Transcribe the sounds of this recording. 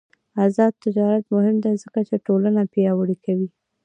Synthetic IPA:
azɑd̪̚t̪ːɪd͡ʒɑɾat̪mʊhɪmd̪azəkat͡ʃeʈolanapijɑwəɽikawi

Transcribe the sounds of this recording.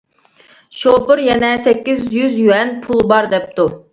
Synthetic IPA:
ʃopɨɾjɛnɛsɛkʲːizjyzjyɛnpʰulˠbɑɾd̪ɛp̚t̪u

